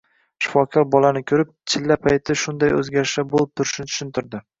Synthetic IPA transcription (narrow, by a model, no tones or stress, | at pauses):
ʃɪ̥fɒkʰɒɾbɒlanɪkʲʰɵɾɪp̚t͡ʃʰɪlːapʰajt̪ʰɪʃʊnd̪ajɵ̰zɡʲaɾɪʃabolˠɪp̚t̪ʰʊɾɪʃnɪt̪ʰʊ̥ʃɪnt̪ʰɪɾd̪ɪ